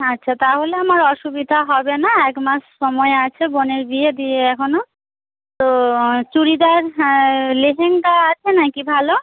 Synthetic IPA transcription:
atːɕʰat̪aɦoleamaɾɔʃubid̪ʱaɦɔbenaɛkmaʃʃɔmɔeat͡ɕʰeboneɾbied̪ieɛkʰono | t̪ot͡ɕuɾid̪aɾ | leɦeŋkaat͡ɕʰenakibʱalo

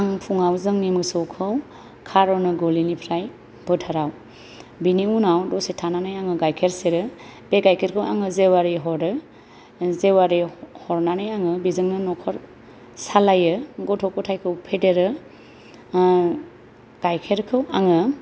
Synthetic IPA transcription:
aŋpʰuŋawzɯŋnimɯsokʰɯw | kʰaɾɔnɯɡolinipʰɾaj | b̥ɯtʰaɾaw | biniunawdɔsetʰananajaŋɯɡajkʰeɾseɾɯb̥eɡajkʰeɾkʰɯwa̰ŋɯzewaɾiɦɔɾɯ | zewaɾihɔɾnanajaŋɯbizɯŋnɯnɔkʰɔɾ | salajɯɡɔtʰɔkɔtʰajkʰɯwpʰedeɾɯ | ɡ̥ajkʰeɾkʰɯwaŋɯ

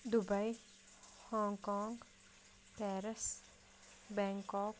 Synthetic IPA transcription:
d̪ubɐj | hɔːŋkɔːŋɡ | pɛːɾɐs | bɛŋkɔːk

